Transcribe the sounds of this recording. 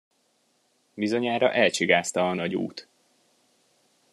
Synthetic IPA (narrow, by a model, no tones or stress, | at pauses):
bizo̞ɲaːɾɒ̰ʔɛlt͡ʃiɡaːst̪ɒːnɒɟṵːt̪